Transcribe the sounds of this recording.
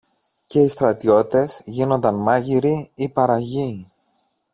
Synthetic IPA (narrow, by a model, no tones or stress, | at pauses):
ce̞ist̪ɾɐt̪io̞t̪e̞zʝino̞nd̪ɐnmɐʝiɾiipɐɾɐʝi